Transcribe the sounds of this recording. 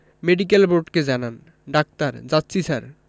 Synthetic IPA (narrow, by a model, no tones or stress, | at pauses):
meɖikelboʈked͡ʑanan | ɖak̚t̪aɾd͡ʑat̪ːɕisaɾ